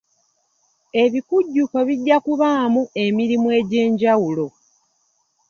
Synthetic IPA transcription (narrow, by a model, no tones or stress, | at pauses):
e̞βikuɟːukoβiɟːakuβaːmue̞miɾimwe̞ːɟe̞ːɲɟawulo̞